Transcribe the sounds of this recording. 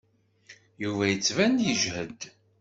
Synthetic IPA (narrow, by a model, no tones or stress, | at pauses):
juvæjət͡sːvænjəʒhəd̪